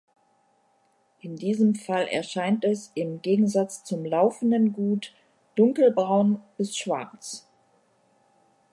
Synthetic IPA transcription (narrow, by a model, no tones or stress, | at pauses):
ʔɪndiːzəmfalʔɛ̰ɐʃaɪntɛsʔɪmɡeːɡŋ̩zat͡st͡sʊmlaʊfn̩dənɡuːt | d̥ʊŋkl̩bʁaʊnb̥ɪsʃv̥a̰ɐt͡s